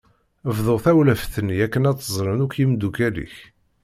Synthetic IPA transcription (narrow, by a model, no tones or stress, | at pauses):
əvðˤoʁθæwləfθənːiækːənæt͡s̪ːəzˤɾˤənʊkjimd̪ukælḭç